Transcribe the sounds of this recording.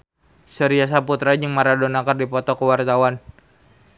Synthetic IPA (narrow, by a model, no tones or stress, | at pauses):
səɾias̬aput̪ɾad͡ʒəŋmaɾadɔnakardipɔt̪ɔkəwart̪awan